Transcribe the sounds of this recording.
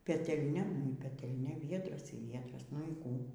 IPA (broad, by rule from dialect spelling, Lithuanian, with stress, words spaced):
pʲɛtʲɛlʲˈnʲɛ nʊ iː pʲɛtʲɛlʲˈnʲɛ ˈʋʲiɛdrɐs iː ˈʋʲiɛdrɐs nʊ iː ˈkuː